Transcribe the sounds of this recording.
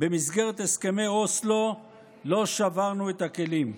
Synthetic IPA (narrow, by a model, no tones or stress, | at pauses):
be̞misɡe̞ʁet̪heske̞mejoslo̞ | lo̞ʃavaʁnuet̪ake̞lim